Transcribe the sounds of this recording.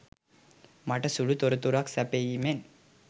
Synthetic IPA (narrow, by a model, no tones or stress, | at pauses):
mɐʈɐsuɻut̪oɾɐt̪uɾaksɐpejimen